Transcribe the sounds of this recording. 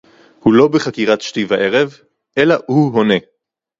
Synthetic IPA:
hulo̞beχakiʁat̪ʃtivaʔe̞ʁe̞v | ʔe̞lahuɦo̞ne̞

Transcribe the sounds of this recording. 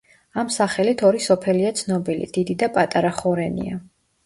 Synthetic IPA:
amsaχɛlit̪ʰɔɾisɔpʰɛliat̪sʰnɔbilḭd̪̥id̪id̪apʼat̪ʼaɾaχɔɾɛnḭa̰

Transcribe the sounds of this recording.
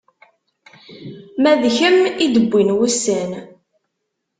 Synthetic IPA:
mæðçəmid̪əbʷːinwusæn

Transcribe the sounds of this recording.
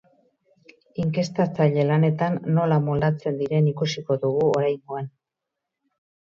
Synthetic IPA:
iŋke̞st̪at͡saʎe̞lane̞t̪anːo̞lamold̪at͡se̞nd̪iɾe̞nikusiko̞ðuɣ̞uoɾajŋɡo̞an

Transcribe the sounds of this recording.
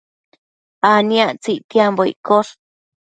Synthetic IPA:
aniaʔt͡siʔt̪jamboḭʔkoɾ

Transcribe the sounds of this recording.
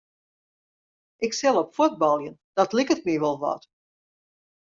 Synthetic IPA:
ʔɪksɛlˠɔpfud̚bɑlˠjənd̥ɑtlɪkətmiʋɔlˠʋɔ̰t

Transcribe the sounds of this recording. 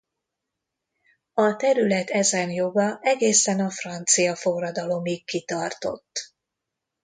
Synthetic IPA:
ɒt̪ɛɾylɛt̪ɛzɛnjo̞ɡɒʔɛɡeːsɛnɒfrɒnt̪sijɒfo̞rːɒd̪ɒlo̞mikːit̪ɒrt̪o̞̰t̪ː

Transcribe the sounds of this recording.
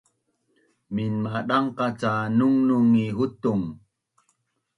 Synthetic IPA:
minmaɗaŋqat͡sanuŋnuŋiɦut̪uŋ

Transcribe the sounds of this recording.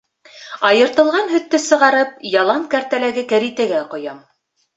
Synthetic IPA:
ɑjɤ̆ɾt̪ɤ̆lˠʁɑnɦɵ̆t̪ːɵsɤ̆ʁɑɾɤp̚jɑlˠɑŋkæɾt̪ælæɡɘkæɾit̪æɡæqŏjɑm

